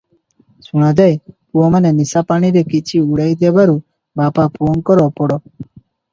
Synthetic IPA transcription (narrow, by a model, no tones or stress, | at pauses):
suɽ̃ad̪ajpuɔmanenisapaɽ̃iɾekit͡ʃʰiuɽajd̪ebaɾu | bapapuɔŋkɔɾɔpɔɽɔ